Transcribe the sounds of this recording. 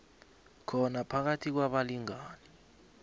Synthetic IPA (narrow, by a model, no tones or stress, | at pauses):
kʰɔnapʰak̬atʰik̬waɓaliŋaːni